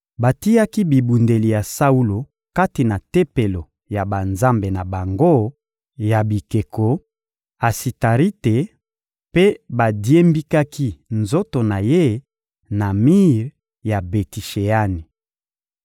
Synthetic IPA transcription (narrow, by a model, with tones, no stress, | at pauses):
ba˨ti˦ja˦ki˦bi˨bu˨nde˨li˨ja˨sa˦u˦lo˨ | ka˦ti˨na˨te˦pe˨lo˨ | ja˨ba˨nza˦mbe˨na˨ba˨ŋɡo˦ | ja˨bi˨ke˨ko˨ | a˨si˨ta˨ʁi˦te˨ | pe˦ba˨dje˦mbi˦ka˦kʰi˦nzo˦to˨na˨je˦ | na˨mi˦ʁ | ja˨be˨ti˨ʃe˨a˦ni˨